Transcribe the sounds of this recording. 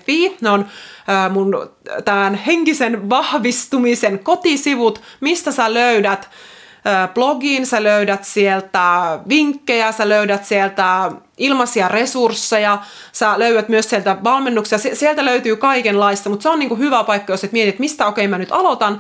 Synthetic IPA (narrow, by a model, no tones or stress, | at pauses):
ʋiːnonəːmunt̪æmænheŋkisenʋɑhʋist̪umisenkot̪isiʋut̪mist̪æsæløydæt̪ | øːb̥loɡiːnsæløydæt̪sielt̪æʋiŋkːejæsæløydæt̪sielt̪æ | ilmɑsiɑresursːejɑ | sæløyʋæt̪myøssielt̪æʋɑlmenːuksijɑsesielt̪æløyt̪yːkɑikenlɑist̪ɑmut̪seoniːŋkuhyʋæpɑikːɑjoset̪miet̪iet̪mist̪æokeimænyt̪ɑlot̪ɑn